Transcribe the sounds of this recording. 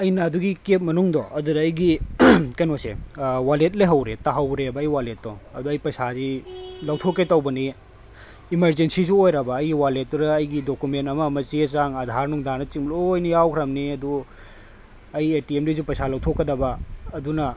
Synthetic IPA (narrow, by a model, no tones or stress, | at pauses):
ɐjnɐːduɡikep̚mɐnuŋdɔʔɐdudɐːjɡikɐjnosḛwalet̬̚leɦɐwɾetɐɦɐwɾebɐɐjwalet̚dɔɐduɐjpɐjsazilɐwtʰokːetɐwbɐni | imɐɾzensizuojɾɐbɐːjɡiwalet̚ːuɾɐːjɡidokumentɐmɐmɐsiesaŋɐdʱaɾnuŋdanɐt͡ʃiŋmiloɐjnijawkʰɾɐmniɐdu | ɐjetiemlizupɐjsalɐwtʰokːɐdɐbɐːdunɐ